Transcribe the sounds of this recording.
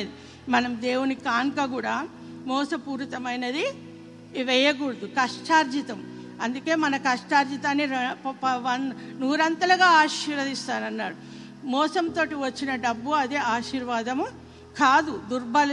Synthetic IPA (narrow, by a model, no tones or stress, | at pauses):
d̪i | mɐnɐmd̪eːwunikaːŋkɐɡuːɽaː | mɔːsɐpuːɾt̪ɐmɐjnɐd̪i | ʋɛjɐɡuːɾd̪ukɐʂʈaːɾd͡ʒit̪ɐm | ɐnd̪uke̞ːmɐnɐkɐʂʈaːɾd͡ʒit̪aːnːiɾpɐʋɐnnuːɾɐnt̪ɐlɐɡaːaːʃiɾɐd̪ist̪aːnɐnːaːɽu | mɔːsɐmt̪o̞ːʈiʋɐt͡ʃːinɐɖɐbːuɐd̪eaːʃiːɾʋaːd̪ɐm | kaːd̪ud̪uɾbɐl